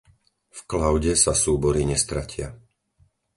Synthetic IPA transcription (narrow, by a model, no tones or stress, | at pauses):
fklaʊɟɛsasuːbɔɾiɲɛst̪ɾacɪa